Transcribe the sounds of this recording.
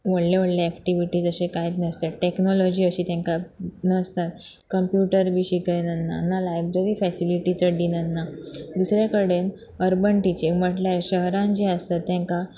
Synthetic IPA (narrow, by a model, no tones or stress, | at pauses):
ʋəɽleʋəɽleɛkʈiʋiʈiːd͡zəsekajt̪nəst̪eʈeknɔlɔd͡ʑiəɕiːt̪jãŋkanəst̪at̪ | kəmpjuʈəɾbiɕikəjnənːa̰ːnːalajbɾeɾifɛsiliʈit͡səɖinənːad̪usɾjakəɽen | əɾbəɳʈit͡ɕeməʈljaɾɕəɦɾãnd͡ʑeəst̪ət̪ːjãŋka